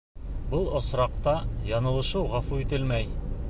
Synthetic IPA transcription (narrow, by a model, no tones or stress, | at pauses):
bɤlˠŏsɾɑq̚t̪ɑjɒnɤ̆lˠɤ̆ʃɤwʁɑfuit̪ɘlmæj